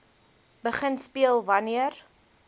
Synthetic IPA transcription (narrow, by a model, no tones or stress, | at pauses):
bəχənspiəlˠvɐniər